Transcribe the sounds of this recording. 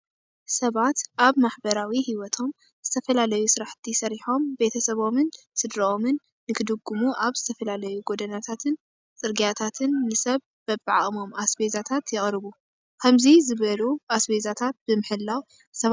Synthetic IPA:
sɐβat̪ʔaβmaħbɐɾawihiwɔt̪ʰo̞m | z̥ɨt̪ʰɐfɐlalɐjusɨɾaħt̪ʰisɐɾiħo̞mbe̞t̪ʰɐsɐβo̞mɨn | sɨd̪ɾɐo̞mɨnː | ɨkʰɨd̪ɨɡːumuʔaβz̥ɨt̪ʰɐfɐlalɐjuɡo̞d̪ɐnat̪ʰat̪ʰɨn | t͡sʼɨɾɡijat̪ʰat̪ʰɨnːɨsɐβ | bɐbaʕaʔʼmo̞masbezat̪ʰat̪jɪχʼɾɨβu | kʰɐmzizɨβɐluʔasbezat̪ʰat̪̚b̥ɨmɨħɨlːaw | sɐβ

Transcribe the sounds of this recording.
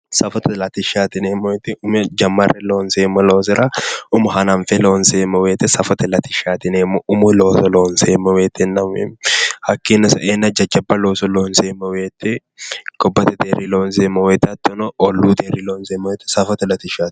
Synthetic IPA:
sɐfɔt̪ɐlɐt̪ɪʃaːt̪ɪneːmːɔwet̪ːɪʊmɛd͡ʒɐmːɐrʔɛloːnseːmːɐloːs̬ɪɾʔɐʊmʊhɐnɐnfɛloːnseːmɐweːt̪ːɛsɐfɔt̪ɐlɐt̪ɪʃːaːt̪ɪneːmːɔʔʊmʊloːsɔloːnseːmːɐweːt̪ːɛnːɐmḛmhɐkːinːɐsɐʔenːɐd͡ʒɐd͡ʒɐbːɐloːsɔloːnseːmɐweːt̪ːɛ | kɔbːɐt̪ɛd̪eriloːnseːmːɐweːt̪ɐt̪ːɔnɔʔɔlːuːd̪eɾiloːnseːmːɐwet̪ːɛ̥sɐfɔt̪ɐlɐt̪ɪʃaːt̪ɪ̥

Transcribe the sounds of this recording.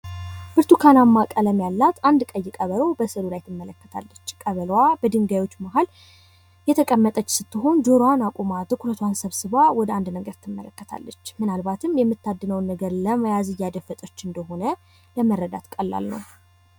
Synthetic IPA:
bɨɾt̪ʰukʰanamːakʼələmjalːat̪and̪kʼəjːɪkʼəβəɾəwbəsɨlulajt̪ʰɨmːələkːə̥t̪ʰa̰lːət͡ʃːkʼəβəlwabəd̪ɨŋɡajwo̞t͡ʃːmaɦal | jɛt̪ʰəkʼəmːət̪ʼət͡ʃːsɨt̪ːɨɦo̞nd͡ʒoɾanakʼumat̪ɨkʰuɾət̪ʰwansəβsɨβawɔd̪əand̪nəɡəɾt̪ʰːɨmːə̰ləkːət̪ʰa̰lːət͡ʃːmɨnalbat̪ʰɨmjɛmːɨt̪ːad̪ːɨnəwnːəɡəɾləməjazɨjad̪əfət̪ʼət͡ʃːɨnd̪əɦo̞nə | ləmərːəd̪a̰t̪kʼəlːa̰lnə̰w

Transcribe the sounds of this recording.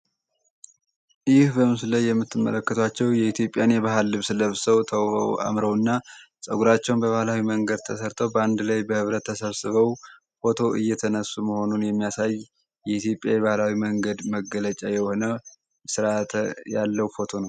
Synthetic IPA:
jɪhbəmɨsɨləjːɛmːɨt̪ʰːɨmːə̰ləkːət̪ʰwat͡ʃːɛwjɛit̪ʰjo̞pʼjanjɛβaɦalːɨβsɨləβsəwt̪ʰəw̰wa̰mɾəwɨnːa | sʼəɡuɾat͡ʃːɛwnbəβahlawiməŋɡəd̪̚t̪ʰəsəɾt̪ʰəwbəand̪lajbəhɨβɾət̪ʰːəsəβsɨβəw | fo̞t̪ʰo̞ʔɨjːɛt̪ʰənəsːuməho̞nunjɛmːijasaj | jɛit̪jo̞pʼjajɛβahlawiməŋɡəd̪məɡələt͡ʃʼajɛho̞nə | sɨɾat̪ʰjalːəwfo̞t̪ʰo̞nəw

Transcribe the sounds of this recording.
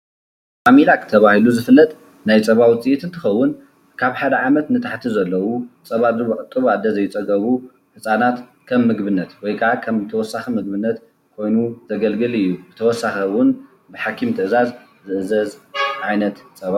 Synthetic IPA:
familakʰɨt̪ʰɐβahiluzɨfɨlːɐt̪ʼ | najt͡sʼɐβawt͡sʼijɛt̪ʰɨnt̪ʰɨxɐwːʊn | kʰaβħad̪ɐʕamɐt̪nɨt̪ʰaħt̪ʰizɐlːɐwut͡sʼɐβad̪ɨɾbuʕʼɨt̪ʼːɨβad̪ːɐzɐjːɪt͡sʼɐɡɐβu | ħɨsʼanat̪ | kʰɐmːɨɡbɨnːɐt̪wɔjkʰɐʕakʰɐmt̪ʰɐwɔsaximɨɡbɨnːɐt̪ | kʰo̞jnuzɐɡɐlɡɨlɨjːubɨt̪ʰɐwɔsːaxɐwʊn | bɨħakʰimt̪ʰɨʔɨzaz | zɨʔɨzɐzʕajnɐt̪t͡sʼɐβa

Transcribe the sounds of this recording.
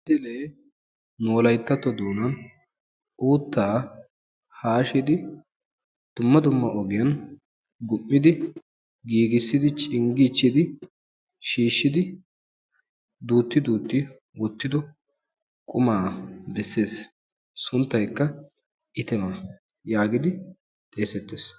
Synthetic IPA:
d̪ɪleː | noːlɐjt̪ːɐt̪ːɔd̪uːnɐn | uːt̪ːaː | haːʃɪd̪ɪ | d̪̥ʊmːɐd̪ʊmːɐʔɔɡɪjɐn | ɡʊmːɪd̪ɪ | ɡiːɡɪsːɪd̪ɪt͡ʃʼɪŋɡit͡ʃːɪd̪ɪ | ʃiːʃːɪd̪ɪ | d̪uːt̪ːɪd̪uːt̪ːɪ | wɔt̪ːɪd̪ɔ | kʼʊmaːbɛsːe̞ːs | sʊnt̪ːɐjkːɐ | ɪt̪ɛmɐ | jaːɡɪd̪ɪ | t̪ʼe̞ːsɛt̪ːeːs

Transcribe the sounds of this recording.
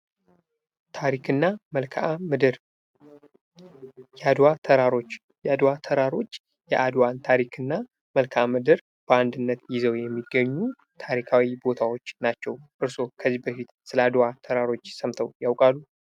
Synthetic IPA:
t̪ʰaɾikʰɨnːaməlkʰamɨd̪ɨɾ | jad̪wat̪ʰəɾaɾo̞t͡ʃː | jad̪wat̪ʰəɾaɾo̞t͡ʃː | jɛʔad̪want̪ʰaɾikʰɨnːa | məlkʰamɨd̪ɨɾ | b̥əand̪ɨnːət̪jɪzəwjɛmːiɡːəɲːu | t̪ʰaɾikʰawibo̞t̪ʰawot͡ʃːnat͡ʃːɛwʔɨɾso̞kʰəzibəfit̪sɨləad̪wat̪ʰəɾaɾo̞t͡ʃːsəmt̪ʰəwjawkʼalːu

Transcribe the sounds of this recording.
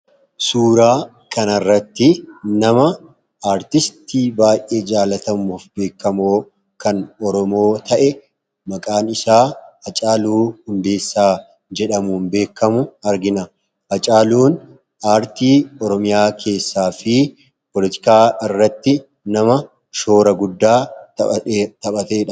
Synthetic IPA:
suːɾaː | kɐnɐrːɐt̪ːɪnɐmɐ | aːɾt̪ɪst̪iːbaːjʔe̞ːd͡ʒaːlɐt̪ɐmuːfbe̞ːkːɐmoː | kɐnɔɾɔmo̞ːt̪ʰɐʔɛ | mɐkʼaːnɪsaːhɐt͡ʃʼaːluːhʊnd̪e̞ːsːaː | d͡ʒɛᶑɐmuːnbe̞ːkːɐmʊɐɾɡɪnɐ | hɐt͡ʃʼaːluːn | aːɾt̪iːɔɾɔmɪjaːkʰe̞ːsːaːfɪ | pɔlɪt̪ɪ̥kaːɪrːɐt̪ːɪ | nɐmɐ | ʃo̞ːɾɐɡʊd̪ːaː | t̪ɐɓɐt̪e̞ːᶑɐ

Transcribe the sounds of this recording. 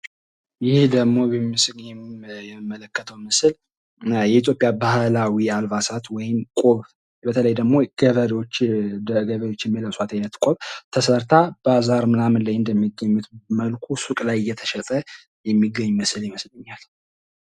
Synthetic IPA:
jɪhd̪əmo̞jɛmːɨsɨɡɲɛjɛmːələkːət̪ʰəwmɨsl | jɛit̪ʰjo̞pʼjabahlawialvasat̪wɔjɪmkʼoβ | bət̪ʰələjd̪əɡmo̞ɡəβəɾot͡ʃ̪ː | ɡəβəɾjo̞t͡ʃːjɛmːiləsʼat̪ʰaɲnːət̪kʼoβt̪ʰəsəɾt̪ʰabazaɾmɨnamənlajɨnd̪əmːiɡəɲːut̪məlkʰusukʼlajɨjːɛt̪ʰə̥ʃɛt̪ʼə | jɛmːiɡːəɲːuməsljɪməslɨɲːal

